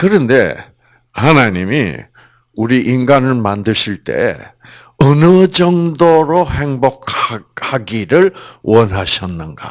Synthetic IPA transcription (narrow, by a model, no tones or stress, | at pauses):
kɯɾʌnde̞̰ | hanaɲimḭ | uɾiʔinɡanɯɭmandɯɕʰiɭt͈e̞̰ḛ | ʌnɯd͡ʑʌŋdoɾohe̞ŋbok̚haɡiɾɯɭwʌnɦaɕʰʌnːɯnɡa̰